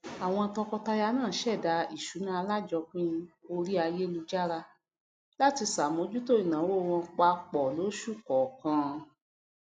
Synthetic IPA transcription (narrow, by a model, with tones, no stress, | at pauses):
a˨w̃ɔ̃˧tɔ˧kɔ˧ta˧ja˧nãː˦˨˦ʃɛ˦˨da˧i˦˨ʃu˨˦nã˦a˧la˦d͡ʒɔ˧k͡pĩ˦˧o˧ɾi˦a˧je˦lu˧d͡ʒa˦ɾa˧ | la˦ti˧sa˨mõ˨˧˦d͡ʒu˦to˦i˨nã˨˦wo˦˨wɔ̃˧k͡pa˧˦k͡pɔ˨lo˨˦ʃu˦˨kɔ˨kã˧